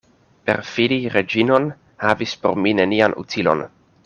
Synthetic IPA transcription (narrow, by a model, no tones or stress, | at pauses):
pe̞̰ɾfiniɾe̞d͡ʒino̞n | havispo̞̰ɾmine̞nianʔṵt͡silo̞̰n